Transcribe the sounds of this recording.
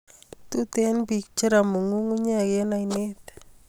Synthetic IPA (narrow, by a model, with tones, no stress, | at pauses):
tu˦te˦nbi˨k̚t͡ʃi˦ɾa˨mu˨ŋu˦ŋu˦ɲ˦a˦˨ke˦na˨ine˦t̪